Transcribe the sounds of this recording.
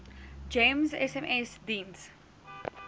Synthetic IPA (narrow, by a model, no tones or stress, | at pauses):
d͡ʒẽmzɛsɛ̃mʔɛsdĩns